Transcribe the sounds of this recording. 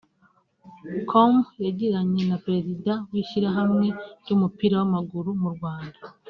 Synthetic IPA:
kʰomjaɟeɾaɲe̞napɾe̞zidawiʃiɾaɦamŋe̞ɟumupiɾawamaɡuɾumuɾɡwaːnda

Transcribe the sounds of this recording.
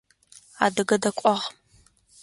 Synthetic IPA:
a̰ːdɐɡɐdɐkʷʼɔʁ

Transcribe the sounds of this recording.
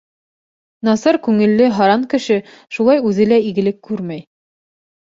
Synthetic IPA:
nɑsɑɾkʉŋɘ̆lːɘɦɑɾɑŋkɘ̆ʃɘ | ʃulˠɑjʉðɘ̆læiɡɘ̆lɘkːʉɾmæj

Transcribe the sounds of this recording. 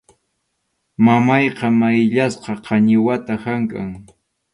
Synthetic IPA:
mamɑjqɑmajʎasqɑqʰɑɲɪwat̪ahaŋkaŋ

